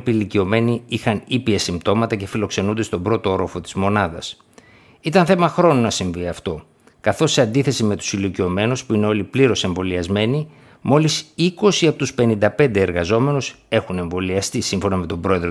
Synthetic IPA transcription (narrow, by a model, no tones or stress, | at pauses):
pilicio̞me̞niixɐnipiɐsimbt̪o̞mɐt̪ɐce̞filo̞kse̞nund̪e̞st̪o̞bɾo̞t̪ooɾofo̞t̪i̥zmo̞nɐðɐs | it̪ɐnθe̞mɐxɾo̞nonɐsiɱviɐft̪o̞ | kɐθo̞sːeɐnd̪iθe̞sime̞t̪u̥silicio̞me̞nuspuineo̞lipliɾo̞se̞ɱvo̞liɐzme̞ni | mo̞lisiko̞siɐpot̪uspe̞nind̪ɐpe̞nd̪e̞ːɾɣɐzo̞me̞nus | e̞xune̞ɱvo̞liɐst̪isimɱfo̞nɐme̞t̪o̞bɾo̞e̞ðɾ